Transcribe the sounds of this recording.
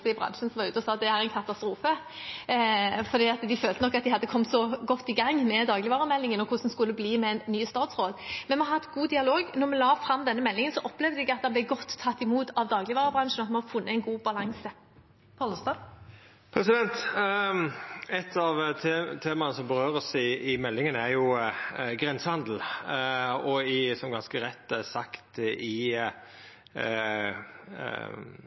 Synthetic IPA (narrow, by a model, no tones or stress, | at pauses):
sɛɪbʁɑ̰nʂənsɔmʋɑʁʉːt̪ɔsɑːd̪ɛæɾɛɪnkʰɑt̪ɑst̪ɾuːfə | fɔɾd̪iːɑt̪d̪ɪføːlt̪ənɔkːɑt̪d̪ɪhɑd̪ːəkʰɔmt̪sɔɡɔt̪ːɪɡɑŋmɛd̪ɑːɡlɪʋɑːʁəmɛlːɪŋənɔkʰʊsːn̩skʉlːəbliːmɛɛnnyːəst̪ɑːt̪sɾoːd̪mɛnmɛhɑɛt̪ɡuːd̪ɪɑloːɡnɔɾmɛlɑːfɾɑmd̪ɛnːəmɛlːɪŋənsɔʔɔpːlɛːʋd̪ɛɡɑt̪d̪ɛnblɛɪɡɔt̪ʰːɑt̪ːɪmuːt̪ɑʋd̪ɑːɡlɪʋɑːɾəbʁɑnʂn̩ɑt̪mɛmɔfʊnːəɛɪnɡuːbɑlɑŋsə | pʰɔləst̪ɑ | pʰɾɛsɪd̪ɛnt̪ | ɛt̪ʰːɑʋt̪ʰeːmɑnəsɔmbəɾøːɾəsɪmɛlːɪŋənæɾjʊ | ɡʁɛnsəhɑnd̪l̩ | ɔɪsɔmɡɑnskəɾɛt̪ːæsɑkt̪ɪ